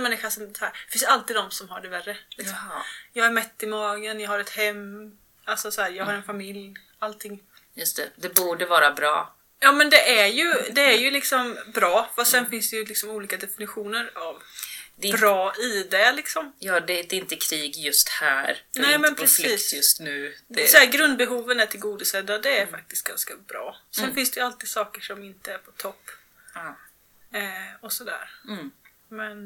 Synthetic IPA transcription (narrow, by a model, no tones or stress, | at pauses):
nmɛnːɪɧaʂɔmshæːɾ̥ɛ̥fɪnsjalt̪iːd̪ɔmsɔmhaɖɛværːəlɪksɔmmjɑːɡæɾmɛt̪ːɪmɑːɡənjɑhaɾɛt̪hɛmː | alsɔsɔhæːɾjɑːɡhaɾɛnfamɪlj | alt̪ʰɪŋː | jɵst̪ɛd̪ɛbuːɖəvɑːɾabɾɑ̰ː | jɑːmɛnd̪ɛæɾjɵd̪ɛæɾjɵlɪksɔmbɾɑːfast̪sɛnfɪnsd̪ɛjɵlɪksɔmuːliːkad̪ɛfɪnɪɧuːnəɾavd̪bɾɑːɪd̪ɛlɪksɔmjɑːd̪ɛd̪ɛɪnt̪əkʰɾiːɡjɵst̪hæ̰ːɾnɛːmɛnpʰɾɛsiːsjɵst̪nʉːd̪ɛsɔæːɾɡɾɵnd̪̚bɛɦuːvənæʈʰɪlɡuːd̪ɪsɛd̪ad̪ɛːɾfak̚t̪ɪ̥st̪̚ɡ̥anskabɾɑ̰ːsɛnfɪnsd̪ɛjalt̪iːd̪̥sɑːkəʂɔmɪnt̪əæɾpʰɔt̪ʰɔpː | ɔsɔd̪æ̰ːɾ | mɛn